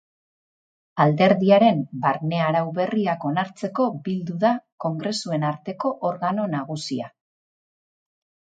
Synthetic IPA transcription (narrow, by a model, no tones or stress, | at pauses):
ald̪e̞ɾðiaɾe̞mbaɾne̞aɾawβe̞riako̞naɾt͡se̞ko̞bild̪uðako̞ŋɡɾe̞sue̞naɾt̪e̞ko̞ʔoɾɣano̞naɣ̞usia